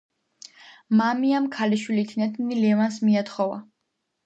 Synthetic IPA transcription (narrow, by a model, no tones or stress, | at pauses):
mamiamkʰaliʃwilit̪ʰnat̪ʰnilɛvansmiat̪ʰχɔva̰